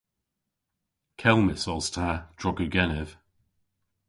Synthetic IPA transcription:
kʰɛlˠmɪsɔlˠstʰad̥ɹʊɡəɡɛnɛv̥

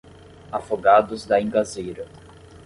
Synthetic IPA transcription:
afoɡad̪ʊzd̪ɐĩŋɡazejɾɐ

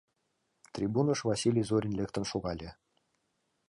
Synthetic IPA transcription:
t̪rʲibunɤ̆ʂvɑsʲilʲijzoɾʲĭnlʲĕkt̪ə̆nʃuɣɑlʲĕ

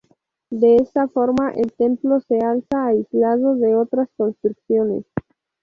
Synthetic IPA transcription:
d̪eesafoɾmaʔelt̪ẽmplosealsaːizlaðoðeot̪ɾasko̞nst̪ɾukθjonḛs

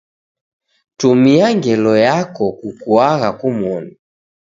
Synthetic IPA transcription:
tumiaŋɡɛlɔjakɔkukuaɣakumwɔni

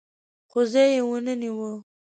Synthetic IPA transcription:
qʊzejewənəniwə

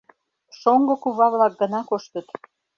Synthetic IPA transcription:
ʃoŋɡokuβɑβlɑk̚ɡə̆nɑkoʃt̪ət̪

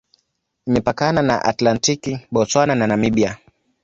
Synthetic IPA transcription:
imɛpakanana̰ʔa̰tlantikiɓɔswanananamiɓia

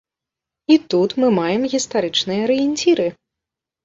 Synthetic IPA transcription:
it̪ut̪mɨmajɛmɣʲist̪aɾɨt͡ʂnɨjɐɾɨjinʲtʲiɾɨ

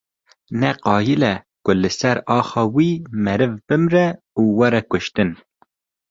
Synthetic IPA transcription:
nɛqɑːjilɛ | kʊlɨsɛɾɑːxɑːwiːmɛɾɨvbɨmɾɛ | uːwɛɾɛkʊʃt̪ɨn

